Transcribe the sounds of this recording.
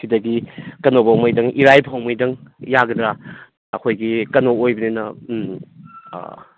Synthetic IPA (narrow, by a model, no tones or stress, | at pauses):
sidɐɡikɐnobawmɐjdɐŋʔiɾajpʰawmɐjdɐŋjaɡɐdɾa | ɐkʰojɡikɐnoojbɐnenɐ